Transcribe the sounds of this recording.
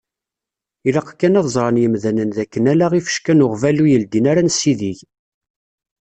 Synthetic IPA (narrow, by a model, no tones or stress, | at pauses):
ilɑqkːænɑðzˤɾˤɑnjəmðænənðækːənælaʁifə̥ʃkænʊʁvælujəld̪inaɾænsiðiʝ